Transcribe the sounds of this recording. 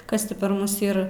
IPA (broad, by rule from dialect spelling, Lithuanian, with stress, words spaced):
ˈkɐs tʲɪ pɐr ˈmʊs ˈiːr